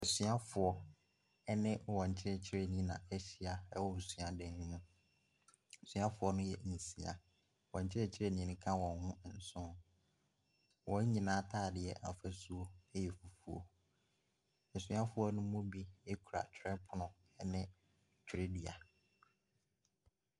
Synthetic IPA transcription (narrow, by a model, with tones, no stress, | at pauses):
ɛ˨sɥa˦fʊ˨ɔ˦ | ɛ˦nɪ̃˦wɔ̃˨ɲ̩˨t͡ɕʰɪ˦ɾɛ˨t͡ɕʰɪ˦ɾe˨nĩ˦nã̰˨ɛ˦ɕi˦a˨ɛ˦wɔ˨sɥa˨dɛ̃˨˦ñ˦nʊ̃˦˨ | sɥa˦fʊ˨˦ɔ˦nʊ̃˦jɛ˨nĩ˨si˨a̰˨ | wɔ̰̃˨ɲ̩˨t͡ɕʰɪ˦ɾɛ˦˨t͡ɕʰɪ˦ɾe˦nĩ˨˦nʊ̃˦kʰã˦wɔ̃˨nhʊ̃˦˨n̩˨sʊ̃˦˨ | wɔ̃˨ɲ˦ɲĩ˨nãː˦tʰaː˦˨dɪ˨ɛ˨ʔa̰˨fæ˦su˦o˦ɛ˦jɛ˨fu˨fu˨o̰˦˨ | su˦a˦fʊ˨˦ɔ˦nʊ̃˦mʊ̃˦bi˦e˦kʰu˨ɾa̰˨t͡ɕᶣʰɾɛ˦pʰʊ˨nʊ̃˨ | ɛ˦nɪ̃˦ | t͡ɕʰᶣɾe˦di˨a˨